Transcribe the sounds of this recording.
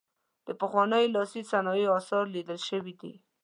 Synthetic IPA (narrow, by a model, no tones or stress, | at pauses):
d̪̥əpəxwɑnəjlɑsisanɑjiɑsɑɾlid̪əlʃəwid̪ḭ